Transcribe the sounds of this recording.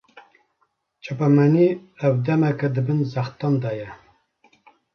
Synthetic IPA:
t͡ʃʰɑpɛmæniɛwd̪ɛmɛkɛd̪ɨbɨnzɑxt̪ɑnd̪ɑːjɛ

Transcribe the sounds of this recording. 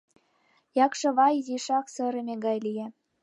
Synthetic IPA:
jɑkʃɤ̆βɑjziʃɑksɤ̆ɾemʲeɡɑjlije

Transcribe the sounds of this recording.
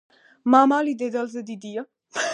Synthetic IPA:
mamalid̪ɛd̪alzɛd̪id̪ija

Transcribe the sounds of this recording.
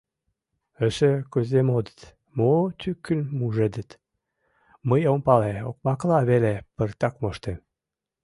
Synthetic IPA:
əʃəkøzʲemod̪ə̥t̪ | mot̪ʰykːənmuʒed̪ət̪ | məjompɑleok̚mɑklɑβelepərt̪ɑkmoʃt̪em

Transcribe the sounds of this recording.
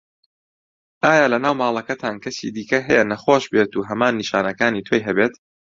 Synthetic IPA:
ʔaːjaːlɐnaːwmaːlˠɐkɐt̪ʰaːnkʰɐsḭd̪iːkɐɦɛjɛnɐχoːʃbet̪uːɦɐmaːnːiʃaːnɐkaːniːt̪ʰoːjɦɐbeːt̪

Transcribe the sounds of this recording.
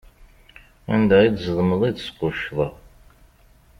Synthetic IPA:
æ̰nd̪æid̪zəðˤməðˤid̪sqʊʃðˤə

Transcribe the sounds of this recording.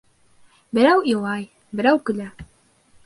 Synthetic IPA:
bɘ̆ɾæwĭlˠɑj | bɘ̆ɾæwkɵ̆læ

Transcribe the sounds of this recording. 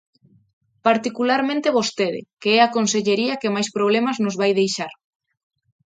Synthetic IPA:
paɾt̪ikulaɾmẽnt̪ɪβ̞ost̪eðɪ̰keɛakonseʎeɾiɐkemajspɾoβ̞lemaznozβajðejʃaɾ

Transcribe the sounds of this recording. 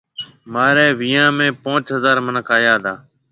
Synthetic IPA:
maːɾɛːʋɪjãːmẽːpõːt͡ʃɦəzaːɾmənəkʰaːjaːd̪aː

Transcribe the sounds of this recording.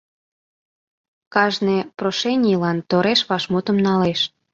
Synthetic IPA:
kɑʒneproʃenʲilɑnt̪oɾeʃβɑʃmut̪ə̆mnɑleʃ

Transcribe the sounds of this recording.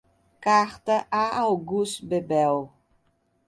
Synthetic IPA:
kaχtəʔaawɡusbɛbɛw

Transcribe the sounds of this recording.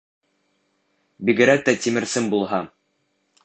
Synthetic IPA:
biɡɘ̆ɾæk̚t̪æt̪ʲimɘ̆ɾsɘmbulˠɦɑ

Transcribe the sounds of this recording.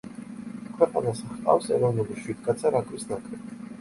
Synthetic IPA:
kʰvɛqʼa̰nasaχq̪ʼa̰fsɛ̰ɾɔvnuliʃwid̪kʼat̪sʰaɾakʼɾisnakʼɾɛ

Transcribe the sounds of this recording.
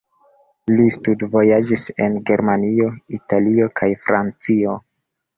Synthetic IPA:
listudvo̞jad͡ʒise̞̰nɡe̞ɾmanio̞italio̞kʰajfɾant͡sio̞

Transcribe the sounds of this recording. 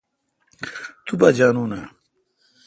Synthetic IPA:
t̪ubad͡ʑaːnuːna

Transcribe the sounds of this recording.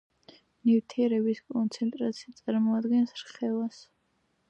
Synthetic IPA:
nivt̪ʰiɛɾɛbiskʼɔnt̪sʰɛnt̪ʼɾat̪sʰiat̪sʼaɾmɔad̪ɡɛnsɾχɛvas

